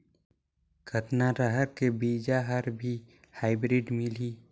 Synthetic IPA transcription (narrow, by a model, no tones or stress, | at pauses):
kʰət̪naɾəɦəɾkebiːd͡ʒaɦəɾbʱi | haːɪbɾiɖmɪliː